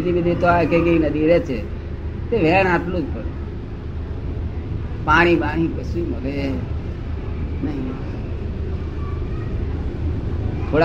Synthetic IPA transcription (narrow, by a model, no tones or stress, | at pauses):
id̪ʱibid̪ʱit̪oaekekeinəd̪ʱiɾet͡ʃʰe | t̪eʋɛɳ̃aʈlũd͡ʒpəɽ | paːɽ̃ibaɽ̃ĩkəsjũməɾe | nəɦĩ | t̪ʰoɽa